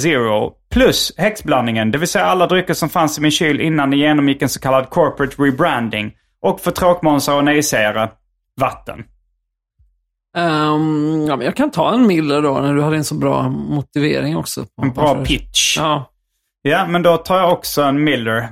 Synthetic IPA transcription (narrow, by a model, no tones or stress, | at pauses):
zɪɹʊpʰlɵshɛksblanːɪŋənd̪ɛvɪlsɛjːaalːad̪ɾʏkːəʂɔmfansɪmɪnɕyːlʔɪnːand̪ɛjeːnɔmjɪkːɛnsɔ̥kʰalːad̪̚kʰɔɹpɾət̪ɾɪbɾænd̪ɪŋ | ʔɔkːfœt̪ʰɾoːkmɔnsaɔnɛɪsejəɾə | vat̪ːə̰n | amɛnjɑkʰant̪ʰɑ̰ːɛnmɪlːəɖonæɖɵhad̪ːɛnsɔbɾɑ̰ːmʊt̪ɪvḛːɾɪŋɔ̰ksɔ̰ɛnbɾɑːpʰɪtʃ | jamɛnd̪ɔt̪ʰɑːjaɔksɔɛnmɪlːəɾ